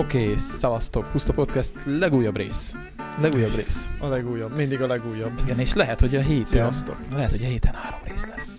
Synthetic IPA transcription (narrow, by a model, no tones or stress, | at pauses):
okeːsɒvɒst̪o̞khust̪ɒpo̞t̪kɛst̪lɛɡuːjːɒbrḛːs | lɛɡuːjːɒbrḛːsɒlɛɡuːjːɒbmind̪iɡɒlɛɡuːjːɒbiɡɛneːʃlɛɦɛt̪ho̞ɟɒɦeːt̪svɒst̪o̞̰kɛɦɛt̪ho̞ɟɒɦeːt̪ʰɛnhaːɾo̞mreːslɛs